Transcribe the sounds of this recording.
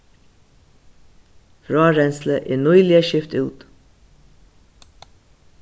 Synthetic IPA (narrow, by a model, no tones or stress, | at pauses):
ɾɑːɾɛnsləʔeːnɔʏlɪəʃɪft̪ʉːt̪